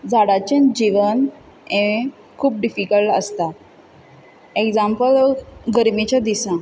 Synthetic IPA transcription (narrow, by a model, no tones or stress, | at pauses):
d͡zaɽat͡ɕẽnd͡ʑiʋən | ẽẽ | kʰuːp̚ɖifikəlʈə̰st̪a | ekd͡zampəlɡəɾmit͡ɕad̪isã